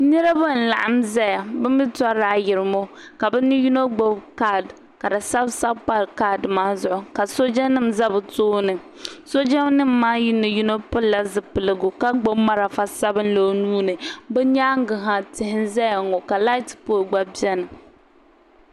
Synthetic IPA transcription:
nɨ˦ɾa˦ba˦˨n̩˨la˨ʔa˨mzɛ˦ja˨bɨ˦m˦bɨ˦ta˦ɾaː˦jɪ˨ɾɨ˨mo˦ka˨bɛ˦nɨ˦ju˦no˦ɡ͡bo˦bka˦˨d | ka˨dɨ˨sa˦bsa˦bpa˦ɾka˦˨dmaː˦zʊ˨ʔʊ˨ka˨so˦d͡ʒɛ˦nɨ˦mza˦bɨ˨toː˦nɨ˨ | so˦d͡ʒa˦nɨ˦mː˦aː˦jɪ˦nɨ˨ju˦no˦pɨ˦lla˦zɨ˨pɨ˨lɨ˨ɡʊ˨ka˦ɡ͡bo˦bma˦ɾa˨fa˦sa˦bɨ˦nlo˦nuː˦nɨ˨bɛ˦ɲaː˦ŋ˦ɡɨ˨ɦa˦˨tɪ˨hɪ˦nza˦ja˨ŋo˨ka˨la˦ɪ˦tpo˦˨ɡ͡ba˦bi˦ɛ˦nɨ˨

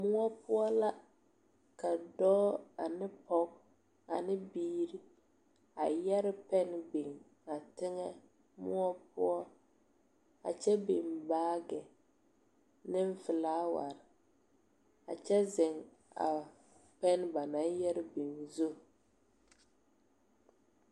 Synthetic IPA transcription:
mʊ˦ɔ˦pʊ˦ɔ˦la˦ | ka˨dɔː˦a˨nɪ˦pɔ˦k | a˨nɪ˦biː˦ɾi˦ | a˨jɛ˦ɾɪ˦pɛ˦nbi˨ŋ | a˨tɪ˦ŋɛ˦ | mʊ̰˦ɔ˦pʊ̰˦ɔ˦ | a̰˨t͡ʃɛ˦bi˨mbaː˦ɡɛ˨ | nɪ˦ɱ˦fɪ˨laː˦wa̰˨ɾɪ˨ | a̰˨t͡ʃɛ˦zɪ˨ŋ | a̰˨ | pɛ˦n˦ba˨na˨˦njɛ˦ɾɪ˦bi˨ŋzo˦

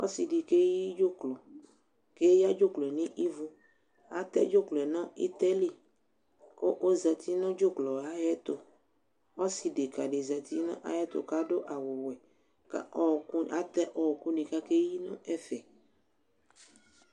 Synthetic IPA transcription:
ɔ̰˦si˨ɖi˨ke˦ji˦d͡ʒo˦klo˨ | ke˦ja˦d͡ʒo˦klɛ˨nĩ˦ʔi˦vu˦ | a˦t̪ɛ̰˦d͡ʒo˦klo˨ɛ˨nɔ̃˦ḭ˦t̪ɛ˦li˦ | ko˦ʔo˦za˨t̪i˦nɔ̃˦d͡ʒo˦klɔ˨a˦jɛ˦t̪o˨ | ɔ˦si˨de˨ka˨ɖe˨za˨t̪ʰi˦nɔ̰̃˦ʔa̰˦jɛ˦t̪o̰˨ka˦ɖo˦ʔa˨wo˨wɛ˨ | ka̰˦ɔ˦˨ku˦a˦t̪ɛ˦ʔɔ˦˨ku˦nĩ˨ka˦ke˦ji˦nɔ̃˦ɛ˦fɛ˨

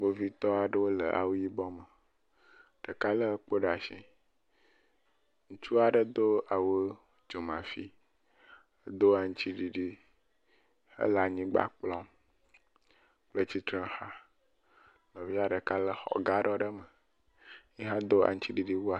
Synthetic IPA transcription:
ɡ͡bo˦vi˦t̪ɔ˦a˨ɖə˦wo˦lə̰˨ʔa̰˨wu˦ji˦bɔ˦mə˨ | ɖ̥ə˨ka˦lə˦k͡po˦ɖa˨ʃḭ̃˨ | ŋũ˦t͡ʃu˦a˨ɖə˦d̪o˦a˨woə˦ | d͡ʒo˨mã̰˨fi˦ | ə˦d̪o˦a˨ŋ̩̃˦t͡ɕi˦ɖi˨ɖi˦ | hə̰˦la˨ɲĩ˦ɡ͡ba̰˦k͡plɔ̃˦m | k͡plə˦t͡ɕi˦t̪ɾə̃˦ha˦ | nɔ̃˨vi˦a˨ɖə˨ka˦lə˦xɔ̰˨ɡa˦ɖɔ˦ɖə˦mə˨ | ɲi˦ɦã˦d̪o˦a̰˨ŋ̩̃˦t͡ɕi˦ɖi˨ɖi˦wo˦a˨

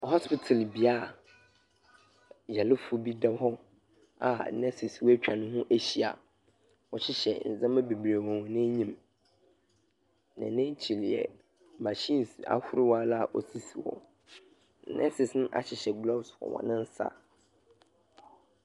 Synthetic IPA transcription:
hɔ˦spɪ˨tʰɪ˨lbi˨a˦˨ | jɛ˨lɪ˦fʊ˦bi˦dɛ˦hɔ˦ | a̰˨˦nɛ˦sɪ˨swt͡ɕᶣʰã˨nʊ̃˦ɦʊ̃˦ʔæ˦ɕi˨a̰˨ | wɔ˨ɕɪ˦ɕɛ̰˨n̩˨zã˦mɛ˦be˨bɾe˨wɔ̃˨nɪ̃˦ɲĩ˦m | nɛ̰̃˨nɪ̃˦t͡ɕʰi˨lɛ̰˨ | ma˨ɕĩ˦n˨sa̰˦hʊ˦ɾɪ˦wa˦la˦˨ʔɔ˨si˦si˨wɔ̰˨˦ | nɛ̰̃˦sɪ˨snʊ̃˦ʔa̰˨ɕɪ˨ɕɛ˨ɡlɔ˦bsfɔ̰˨wɔ̰˨nɪ̃˦n̩˦sa̰˦

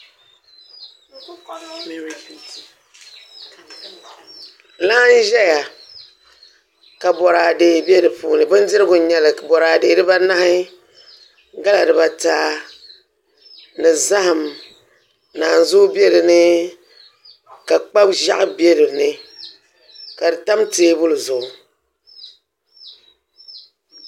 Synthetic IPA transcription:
la˦n˦ʒɛ˦ja˨ | ka˨bɔ˨ɾaː˨deː˨be˦ɾɨ˨puː˦nɨ˨bɨ˦n˦dɪ˦ɾɨ˦ɡʊ˨˦ɲɛ˦lɨ˨bɔ˨ɾaː˨de˨ɾɨ˦ba˦na˦hɪ˦ | ɡa˦la˨ɾɨ˨ba˨taː˦ | nɨ˨za˦hɨ˨m | naː˨n̩˨zʊ˦be˦ɾɨ˨nɨ˦ | ka˨k͡pa˦bʒa̰˦ʔɨ˦be˦ɾɨ˨nɨ˦ | ka˨dɨ˨ta˦mteː˦bʊ˦lɨ˨zʊ˨ʔʊ˨

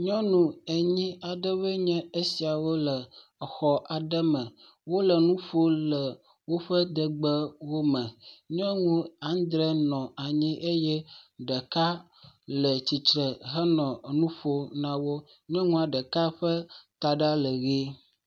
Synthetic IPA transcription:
ɲɔ̃˦nũ˨e˨ɲĩ˦a˨ɖə˦βə˦ɲɛ̃˦e˦si˨a˨wo˦lə˨ | xɔ˨ʔa˨ɖə˦mə̃˨ | wo˦lə˨nũ˦fo˦lə˨ | wo˦ɸə˦d̪ə˨ɡ͡bə˦wo˦mɛ̃˨ɲɛ̃˦ŋũ˦a˨˦n˦d̪ɾɛ˦nɔ̃˨a˨ɲĩ˦ʔe˦jɛ˦ɖə˨ka˦ | lə˨t͡ɕi˨t͡ʃɾə˨ɦə˦nɔ̃˨nũ˦ɸo˦nã˦wo˦ | ɲɛ̃˦ŋũ˦a˨ɖə˨ka˦ɸə˦t̪a˨ɖa˦lə˨ɣe˦

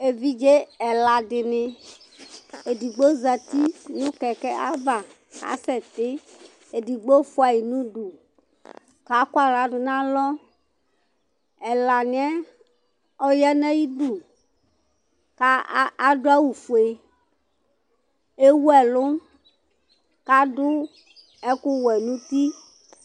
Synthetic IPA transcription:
e˨vi˦d͡ʒe˦ɛ˨la˨dɪ˨nɪ˨ | e˨di˨ɡ͡bo˦za˨t̪i˦nũ˦kɛ˨kɛ˦a̰˦va˨ | ka̰˨˦sɛ˨t̪ɪ˦ | e˨di˨ɡ͡bo˦fʊ˦a˨ji˨nũ˦du˨ | ka˨˦kwa˦˨la˨˦dʊ˨nã˦lɔ˦ | ɛ˨la˨nĩ˦ɛ˦ | ɔ˦jɛ˦nɛ̃˦ji˦du˨ | ka˦a˦dʊ˦a˦wu˨fu˨e˨ | e˦wu˦ɛ˨lʊ˦ | ka˨˦dʊ˦ | ɛ˦ku˦wɛ˨nũ˦t̪i˦

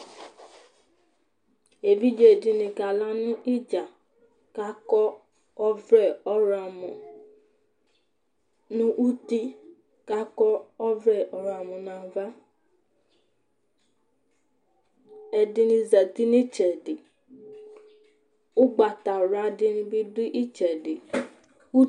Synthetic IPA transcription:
e˨vi˦d͡ʒe˨dɪ˨nɪ̃˨ka˨la˦nʊ̃˦i˦d͡ʒa˨ | ka˨˦kɔ˦ | ɔ˦vɾɛ˦˨ɔ˦ɾa˨mɔ̃˨ | nʊ̃˦ʔu˦ti˦ | ka˨˦kɔ˦ɔ˦vɾɛ˦˨ʔɔ˨ɾa˨mɔ̃˨nã˨va˦ | ɛ˨dɪ˨ni˨zɛ˨ti˦ni˦t͡ʃɛ˨dɪ˨ | ʊ˦ɡ͡ba˨ta˨ɾa˨˦dɪ˦n˦bi˦dʊ˦ʔi˦t͡ʃɛ˨dɪ˨ | u˦

